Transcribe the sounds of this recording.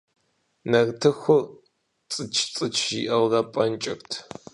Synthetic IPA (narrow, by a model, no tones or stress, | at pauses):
nɐrtʰɨxʷʊr | t͡sʼɨt͡ʃʰt͡sʼɨt͡ʃʰiʔɐwrɐpʼɐnt͡ʃʼɪ̰rtʰ